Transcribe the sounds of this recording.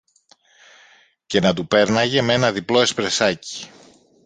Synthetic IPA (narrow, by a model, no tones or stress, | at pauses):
ce̞nɐt̪upe̞ɾnɐʝe̞mee̞nɐðiplo̞e̞spɾe̞sɐci̥